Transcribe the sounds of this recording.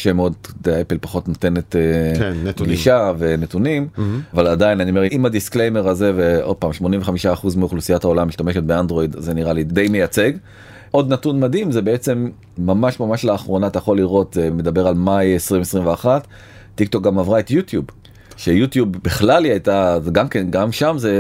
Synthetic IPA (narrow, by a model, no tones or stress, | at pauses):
ʃemeo̞d̚deepelpḁχo̞tnot̪e̞net̪e | ɡliʃavenet̪unimavaladajinaniomeimad̪isklejmeʁaze̞veo̞d̚paːmʃmo̞nĩɱveχamiʃaːχuzmeuχlusijathao̞lamiʃt̪ameʃet̚beand̪ʁo̞id̪zeniʁalid̪e̞jmejat͡se̞ɡ | ʔo̞dnatunmad̪imzebeet͡se̞mː | amaʃmamaʃlaːχʁo̞nat̪ajaχo̞liʁo̞t̪zeme̞d̪abe̞ʁalmajesʁimesʁimveaχatː | ik̚t̪o̞k̚ɡamavʁaet̪jut̪jub | ʃejut̪jubːiχlaliajt̪azɡamkenɡamʃamze